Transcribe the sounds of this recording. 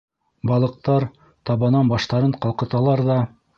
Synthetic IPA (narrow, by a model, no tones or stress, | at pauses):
bɑlˠɤ̆q̚t̪ɑɾ | t̪ɑβɑnɑnbɑʃt̪ɑɾɤɴqɑlˠqɤ̆t̪ɑlˠɑɾðɑ